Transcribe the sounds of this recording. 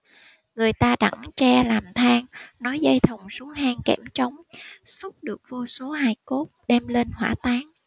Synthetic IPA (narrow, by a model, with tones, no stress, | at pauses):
ŋɨ˨˩əjt̪aː˧ɗa̰˧˩ŋt͡ɕɛ˧laː˨˩mt̪ʰaː˧ŋnɔ˨˦jzə˧jt̪ʰə˨˩wŋ͡msu˨˦haː˧ŋkɛ̰˧˩mt͡ɕə˨˦wŋ͡msu˦˥k͡p̚ɗɨ˨˩ək̚vo˧so˨˦ɦaː˧jko˦˥t̚ɗɛ˧mle˧nhwaː˧˩t̪aː˨˦ŋ